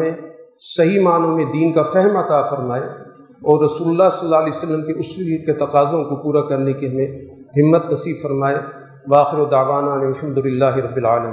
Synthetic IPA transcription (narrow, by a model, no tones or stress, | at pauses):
mẽ | sɐɦimaːnõmẽd̪iːnkafɛɦɛmɐt̪aːfɐɾmaːe | ɔːɾːɐsuːlʊlːaɦsɐlːaːlɛːsɐlːəmkeʊsiket̪ɐqaːzõkopuːɾakɐɾnekeɦɐmẽ | ɦɪmːət̪nɐsiːbfɐɾmaːe | ʋaːxɪɾod̪aːʋaːnaɐnɪlħɐmd̪ʊlɪlːaːɦeɾɐbːɪlaːlɐmĩ